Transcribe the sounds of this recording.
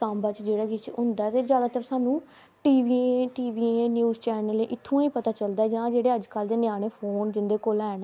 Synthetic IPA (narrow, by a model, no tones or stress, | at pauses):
ãːmbaːt͡ʃd͡ʒeːɽaːɡɪt͡ʃʊ̃nd̪aɛt̪eːzjaːd̪aːt̪əɾsaːnũː | ʈiːʋiːeʈiːʋiːẽːnjuːzt͡ʃɛːnəleːʔɪt̪ʰːõːiːpət̪aːt͡ʃəld̪aɛd͡ʒãːd͡ʒeːɽeːəd͡ʒkəld̪eːnjaːɽ̃eːpʰoːnd͡ʒɪnd̪eːkoːlɛːn